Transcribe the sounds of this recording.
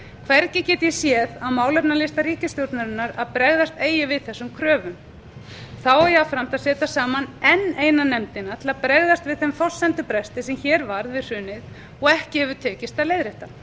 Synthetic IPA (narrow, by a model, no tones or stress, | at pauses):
kʰvɛɾcɪcɛːt̪jɛsjɛːðaðmaːwlɛpnalɪst̪aɾiːcɪst̪jowɾt̪naɾɪnːaɾaðpɾɛɣðast̪eːjɪvɪðθɛsːʏmkʰɾœːvʏm | θawɛjɛafɾam̥t̪aðsɛːt̪asaːmanɛnːeːjnanɛmt̪ɪnat̪ʰɪlaðpɾɛɣðast̪vɪðθɛmθɔl̥sɛnt̪ʏpɾɛst̪ɪsɛmçɛːɾvaɾðvɪðr̥ʏːnɪð | ɔɣɛhcɪhɛvʏt̪ʰɛːcɪst̪aðleːjðɾeht̪a